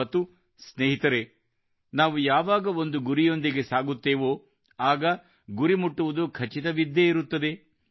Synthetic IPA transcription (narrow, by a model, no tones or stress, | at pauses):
ɐt̪ːu | sneːɦit̪ɐɾe̞ | naːʋujaːʋaːɡɐo̞nd̪uɡuɾijo̞nd̪iɡe̞saːɡut̪ːeːʋo | aːɡɐ | ɡuɾimuʈːuʋud̪ukʰɐt͡ʃit̪ɐʋid̪ːeiɾut̪ːɐd̪e̞